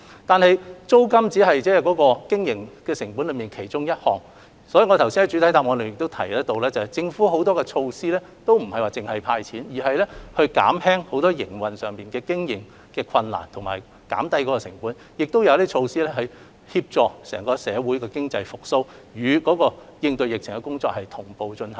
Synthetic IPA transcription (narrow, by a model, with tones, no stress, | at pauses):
t̪aː˨nhɐ˨jt͡so˥wkɐ˥mt͡siː˨˥ɦɐ˨jt͡sɛː˥kɔː˨˥kɔː˧kɪ˥ŋjɪ˨˩ŋkɛː˧sɪ˨˩ŋpuː˨˥nlɵ˨˧jmiː˨nkʰe˨˩jt͡sʊ˥ŋjɐ˥t̚hɔ̰ː˨˩ŋ | sɔː˨˥i˨˧ŋɔ˨˧t̪ʰɐ˨˩wsi˥hɐ˨˥jt͡ʃy˨˥t̪ʰɐ˨˥jt̪aː˧˨pŋɔː˨˧le˨jɪ˨k̚t̪o˥wt̪ʰɐ˨˩jt̪o˧wlɛː˥t͡sɐ˨˩hɐ˨˩jt͡sɪ˧ŋfu˨˥ɦo˨˥wt̪ɔː˥kɛ˧t͡ʃʰo˧wsiː˥lɛː˥ | t̪o˥wm̩˨˩hɐ˨jwaː˨t͡sɪ˨ŋhɐ˨jpʰaː˧jt͡sʰiː˨˥njiː˨˩ɦɐ˨jlɛː˥hɵ˧ɥka̰ː˨˥mhɛː˥ŋho˨˥wt̪ɔː˥jɪ˨˩ŋwɐ˨nsœː˨˩ŋpiː˨˩nkɛː˧kɪ˥ŋjɪ˨˩ŋ | kɛː˧kʰɐ˧nla̰ː˨˩nt̪ʰʊ˨˩ŋmaː˨˩j | ka̰ː˨˥mt̪ɐ˥jkɔː˨˥kɔː˧sɪ˨˩ŋpuː˨˥n | jɪ˨k̚t̪o˥wjɐ˧liː˥t͡ʃʰo˧wsiː˥lɛː˥ɦɐ˨j | hiː˧p̚t͡sɔː˨˧ksɛː˨˩ŋkɔː˧sɛː˨˧wuː˨˥jkɛː˧kɪ˥ŋt͡sɐ˧jfʊ˨k̚so˥wjyː˨˧kɔː˨˥kɔː˧jɪ˧ŋt̪ɵ˧jɪ˨k̚t͡sʰɪ˨˩ŋkɛ˧kʊ˥ŋt͡sɔ̰ː˧k̚hɐ˨jt̪ʰʊ˨˩ŋpo˨wt͡ʃɵ˧nhɐ˨˩˦